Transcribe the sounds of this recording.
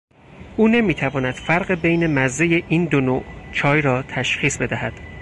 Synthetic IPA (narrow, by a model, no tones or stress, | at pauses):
ʔuːne̞miːt̪ʰævɒːnæd̪̥fæɾɢebe̞jne̞mæzejeʔiːnd̪onoːʔt͡ʃʰɒːjɾɒːt̪ʰæʃχiːsbe̞d̪æhæd̪̥